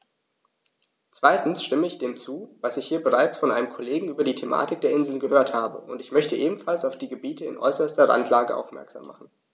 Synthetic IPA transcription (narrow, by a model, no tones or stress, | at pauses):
t͡sv̥aɪtn̩sʃtɪməɪçd̥eːmt͡suːvasɪçhiːɐbəʁ̞aɪt͡sfɔnʔa̰ɪnəmkʰɔleːɡŋ̩ʔyːbɐdiːtʰemʔa̰ːtɪk̚d̥eːɐɪnzl̩nɡəhøːɐthaːbə̰ʔʊntɪçmœçtəʔeːbm̩falsaʊfd̥iːɡəbiːtəɪ̰nʔɔ̰ʏsɐstɐʁa̰ntʰlaːɡəʔa̰ʊfmɛ̰ɐkz̥a̰ːmːa̰χn̩